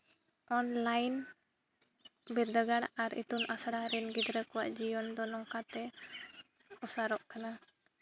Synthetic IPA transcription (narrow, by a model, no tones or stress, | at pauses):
ʔɔnlajn | biɾd̪əɡaɽaɾḭt̪unʔasaɽaɾinɡid̪ɾəkɔwaʔd͡ʒijɔnd̪ɔnɔŋkat̪ɛ | usaɾɔʔkana